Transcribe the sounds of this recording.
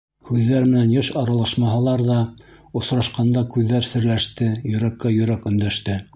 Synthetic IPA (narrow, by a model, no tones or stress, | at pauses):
hʉðːæɾmɘ̆nænjɤʃɑɾɑlˠɑʃmɑɦɑlˠɑɾðɑŏsɾɑʃqɑnd̪ɑkʉðːæɾsɘ̆ɾlæʃt̪ɘjɵ̆ɾækːæjɵ̆ɾækɵ̆nd̪æʃt̪ɘ